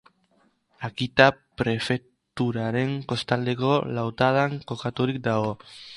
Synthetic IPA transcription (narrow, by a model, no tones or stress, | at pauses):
akit̪apɾe̞fe̞k | t̪uɾaɾe̞ŋko̞st̪ald̪e̞ko̞lawt̪að̞aŋko̞kat̪uɾik̚d̪aɣo̞